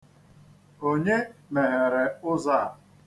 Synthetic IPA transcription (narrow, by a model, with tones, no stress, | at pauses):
o˦ɲe˦me˨ɦe˨ɾe˨ʊ˦za˦˨